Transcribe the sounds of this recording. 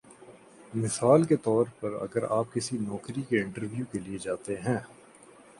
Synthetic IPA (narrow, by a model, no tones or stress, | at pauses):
mɪsaːlket̪ɔːɾpɐɾɐ̰ɡəɾa̰ːp̚kɪsinɔːkɾikeɪ̃ɳʈəɾʋjukelied͡ʒaːt̪eɦɛ̃ː